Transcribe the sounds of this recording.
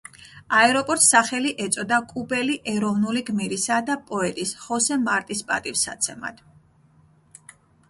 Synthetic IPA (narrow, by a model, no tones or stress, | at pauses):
aɛɾɔpʼɔɾt̪ʼsaχɛliʔɛt̪sʼɔd̪akʼubɛliʔɛɾɔvnuliɡmiɾisad̪apʼɔɛt̪ʼisχɔsɛmaɾt̪ʼispʼa̰t̪ʼifsa̰t̪sʰɛma̰d̪̥